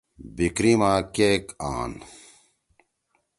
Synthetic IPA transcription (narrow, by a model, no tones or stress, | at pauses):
bikɾimaːkeːka̰ːn